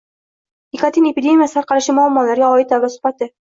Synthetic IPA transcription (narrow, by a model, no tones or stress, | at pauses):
ikat̪inepʲid̪ʲe̞mʲijasaɾqɑɾaʃɪmʊamːɒlaɾɡʲaɒɪt̪̚d̪awasʊ̥bat̪ɪ